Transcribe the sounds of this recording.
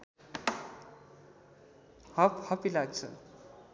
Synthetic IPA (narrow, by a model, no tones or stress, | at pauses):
hʌphʌpilaɡ̚t͡sʰʌ̰